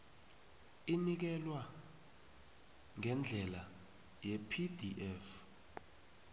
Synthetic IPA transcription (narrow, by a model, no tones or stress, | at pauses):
inik̬ɛlwa | ŋɛnd͡ɮʱɛla | jɛpʰidʱiʔɛf